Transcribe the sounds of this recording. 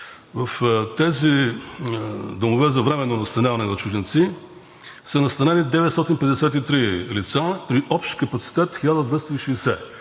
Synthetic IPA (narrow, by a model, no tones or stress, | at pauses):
vɐft̪ɛzi | d̪omovɛzɐvɾɛmɛnːonɐst̪ɐnʲjavɐnɛnɐt͡ʃuʒɛnt̪si | sɐnɐst̪ɐnɛnid̪ɛvɛt̪st̪ɔt̪inpɛd̪ɛsʲɛt̪it̪ɾilit̪sapɾiʔɔpʃt̪kəpɐt̪si̥t̪ɛt̪xilʲad̪əd̪vɛst̪oiʃɛːsɛ